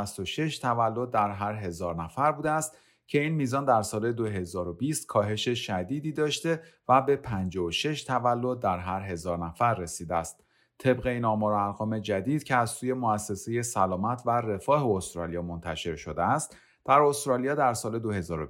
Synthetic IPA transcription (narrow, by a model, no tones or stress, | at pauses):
st̪oʃe̞ʃt̪ʰævælːo̞d̪̚ːæɾɦæɾɦe̞zɒːɾnæfæɾbuːd̪eæst̪ | cʰe̞iːnmiːzɒːnd̪æɾsɒːle̞d̪oɦe̞zɒːɾo̞biːst̪̚kʰɒːɦe̞ʃe̞ʃæd̪iːd̪iːd̪ɒːʃt̪e̞væbe̞pʰænd͡ʒɒːoʃe̞ʃt̪ʰævælːo̞d̪̚ːæɾɦæɾɦe̞zɒːɾnæfæɾːe̞siːd̪eæst̪̚ | t̪ʰe̞bɣe̞iːnɒːmɒːɾoæɾɣɒːme̞d͡ʒæd̪iːd̪̥cʰe̞æzsuːje̞moæsːe̞se̞je̞sælɒːmæt̪ʰvære̞fɒːɦeost̪ɾɒːlijɒːmo̞nt̪ʰæʃe̞ɾʃo̞d̪eæst̪ | d̪̥æɾo̞st̪ɾɒːlijɒːd̪æɾsɒːle̞d̪o̞he̞zɒːɾo